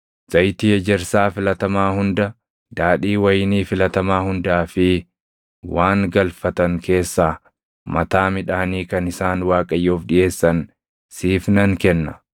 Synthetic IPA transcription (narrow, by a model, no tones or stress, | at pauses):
z̥ɐjt̪iːɛd͡ʒɛɾsaːfɪlɐt̪ɐmaːhʊnd̪ɐ | d̪aːᶑiːwɐjniːfɪlɐt̪ɐmaːhʊnd̪aːfɪ | waːŋɡɐlfɐt̪ɐŋke̞ːsːaː | mɐt̪aːmɪᶑaːniːkɐnɪsaːnwaːkʼɐjːoːfᶑɪʔe̞ːsːɐn | siːfnɐŋkɛnːɐ̥